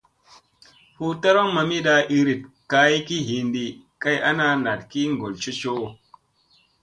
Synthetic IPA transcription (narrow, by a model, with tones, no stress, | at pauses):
hu˦ta˦ɾo˦ŋma˨mi˦ɗa˨ʔi˨ɾi˨t̚ka˦i˦ki˦ɦi˨ndi˨ | ka˦jʔa˦na˦na˨tki˦ŋ˨ɡo˨lt͡ʃi˦t͡ʃo˦